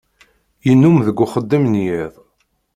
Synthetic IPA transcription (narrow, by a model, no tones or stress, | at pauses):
jənːumðəɡʷːʊχəd̪ːəmnjiðˤ